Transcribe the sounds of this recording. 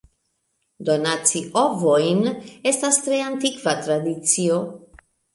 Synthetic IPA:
d̪o̞nat͡siʔovojne̞stast̪ɾeant̪ikvat̪ɾad̪it͡sio̞

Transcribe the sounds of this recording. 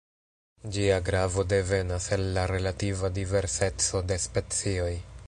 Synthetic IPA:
d͡ʒiaɡɾavo̞de̞ve̞naselːaɾe̞lativadive̞ɾse̞t͡so̞de̞spe̞t͡sio̞j

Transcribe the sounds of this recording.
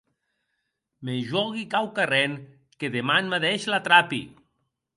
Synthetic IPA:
meʒɔɣikawkaren | keðemanmaðeʃlat̪ɾapḭ

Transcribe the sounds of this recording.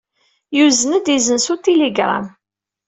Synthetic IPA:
juzənəd̪izənsut̪ːiliɡɾˤa̰m

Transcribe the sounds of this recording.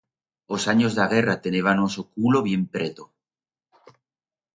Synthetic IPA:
osaɲozðaɣ̞erat̪eneβanosokuloβ̞je̞mpɾet̪o

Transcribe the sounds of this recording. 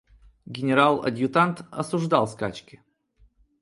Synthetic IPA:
ɡʲɪnʲɪɾalˠɐ̰dʲjʊt̪ant̪ɐ̰sʊʐd̪alˠskat͡ɕkʲɪ

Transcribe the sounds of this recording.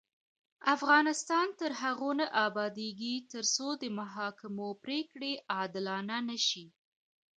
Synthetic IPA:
afɣɑnɪst̪ɑnt̪əɾɦaɣonaʔɑbɑd̪eɡit̪əɾsod̪əmaɦɑkɪmopɾekɽeʔɑd̪ɪlɑnanəʃi

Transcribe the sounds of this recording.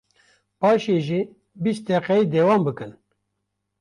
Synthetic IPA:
pɑːʃeʒiː | bist̪̚d̪ɛqɛid̪ɛːwɑːmbɨkɨn

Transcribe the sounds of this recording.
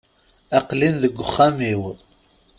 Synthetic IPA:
æqlinðəɡʷːʊχːamiw

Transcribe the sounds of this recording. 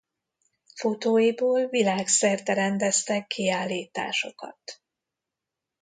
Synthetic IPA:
fot̪oːjiboːlvilaːksɛrt̪ɛɾɛnd̪ɛst̪ɛkːiaːlːiːt̪a̰ːʃo̞kɒ̰t̪

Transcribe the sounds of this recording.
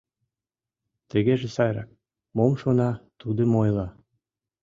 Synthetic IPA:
t̪ə̆ɣeʒesɑjɾɑ̰k̚ | momʃonɑt̪ud̪ə̆mojlɑ

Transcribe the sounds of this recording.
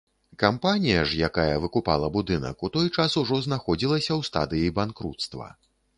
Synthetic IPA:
kampanʲijɐʐjakajɐvɨkupa̰lˠɐbud̪ɨnɐ̰kut̪ɔjt͡ʂasuʐɔznaxɔd͡zʲilˠɐsʲɐwst̪a̰d̪ɨjibankɾṵt̪st̪vɐ̰

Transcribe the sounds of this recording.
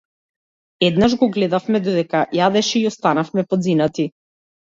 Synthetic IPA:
ɛd̪naʒɡɔɡlɛd̪afmɛd̪ɔd̪ɛkajad̪ɛʃɛiɔst̪anafmɛpɔd̪zinat̪i

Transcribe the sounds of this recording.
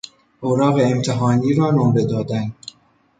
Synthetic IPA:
ʔoɾɒːɣeːmt̪ʰeɦɒːniːɾɒːnomɾe̞d̪ɒːd̪æn

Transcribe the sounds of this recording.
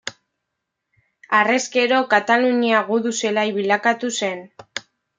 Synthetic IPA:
are̞ske̞ɾo̞kat̪aluɲiaɣuðuse̞laiβilakat̪use̞n

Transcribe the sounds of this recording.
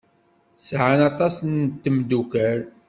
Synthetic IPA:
sʕanɑt̪ˤɑsənt̪ːəmd̪ukəɾ

